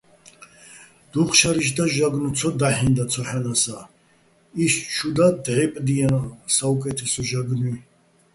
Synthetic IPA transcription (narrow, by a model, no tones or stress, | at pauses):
d̪̥uχʃaɾiʃ̬d̪aʒaɡnut͡s̪ʰɔd̪aħind̪at͡s̪ʰɔħanasa | ist͡ʃʰud̪ad̪ʕɛpʼd̪ijansaukʼɛt̪ʰɛsɔʒaɡni